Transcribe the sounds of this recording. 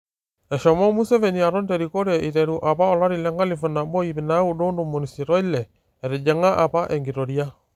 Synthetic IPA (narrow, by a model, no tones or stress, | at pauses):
ɛʃɔmɔmusɛvɛniaɾɔndɛɾikoɾeʔiɾɛɾuʔapaɔlaɾilɛŋɡalifunabɔiβinaudondomonisiɾɔilɛ | ɛɾed͡ʒɛŋaʔapaʔɛŋɡiɾɔɾja